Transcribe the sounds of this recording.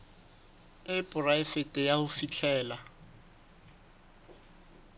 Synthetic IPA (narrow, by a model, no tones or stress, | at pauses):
ɪpʼʊraɪfetʼɪjahʊfit͡ɬʰɛːla